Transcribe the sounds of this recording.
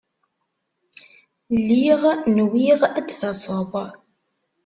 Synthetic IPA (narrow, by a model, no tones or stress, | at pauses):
lːiʁnwiʁæd̪θɑsˤəðˤ